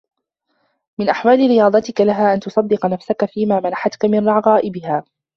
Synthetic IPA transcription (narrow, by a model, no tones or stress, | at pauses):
mɪnʔaħwaːlɪɾɪjɑːd̪ˤɑt̪ɪkalaɦaːʔant̪ʊsˤɑd̪ːɪqɑnafsakafiːmaːmanaħat̪kamɪnɾɑʕɣɑːʔɪbɪhaː